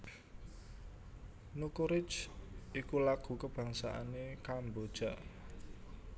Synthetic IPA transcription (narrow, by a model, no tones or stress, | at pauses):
nukuɾɪ̥t͡ʃʔikulaɡ̥ṳkəb̥ä̤ŋsaʔa̰nekambod̥ʒ̥a̤ʔ